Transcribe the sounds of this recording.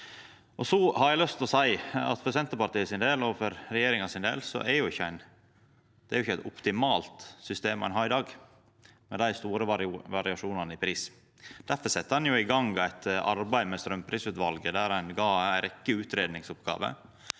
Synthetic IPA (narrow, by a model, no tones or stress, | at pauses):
ʔɔsɔhɑɾjæɪlœst̪ɔsæɪɑ̰t̪fɔɾsɛnt̪əɾpɑɾʈ̪iːəsɪnd̪eːlɔfɔɾɾɛjeːɾɪŋɑsɪnd̪ḛːlsɔ̰ʔæɾjʊɪçːəæɪn | d̪̥ɛæɾjʊɪçːæɪt̪ɔpt̪ɪmɑːlt̪sʏst̪eːmæ̰ɪnɦɑɪd̪ɑːɡ | mɛd̪æɪst̪uːɾəʋɑɾɪɑʂuːnɑnəɪpʰɾiːs | d̪̥æɾfəsɛt̪ːəhɑnjʊɪɡɑŋɡæɪt̪ɑɾbæɪmɛst̪ɾœmpʰɾiːsʉːt̪ʋɑlɡəd̪æɾæɪnɡɑæɾɛkːəʉːt̪ɾeːd̪nɪŋsɔpɡɑ̰ːʋə̰